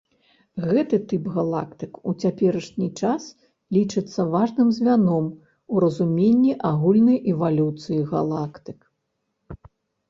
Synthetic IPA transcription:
ɣɛt̪ɨt̪ɨpɣalˠa̰kt̪ɨkut͡sʲapʲɛɾɐʂnʲit͡ʂas | lʲit͡ʂɨt̪sːɐvaʐnɨmzʲvʲanɔm | uɾɐzumʲenʲːiʔaɣulʲnɐjʔɛvalʲut̪sɨjiɣa̰lˠakt̪ɨ̥k

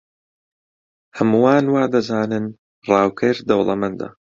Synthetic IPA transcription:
hɐmuwaːnwaːd̪ɐzaːnɨn | rɑːwkʰɐɾd̪ɐwlˠɐ̰mɐnd̪ɐ̰

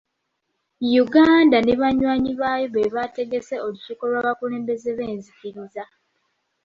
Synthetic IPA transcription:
juɡaːndaneβaɲwaːɲiβaːjoβeβate̞ɡe̞se̞o̞lusuːkolwaːβakule̞ːmbe̞ze̞βe̞ːnzikiɾiza

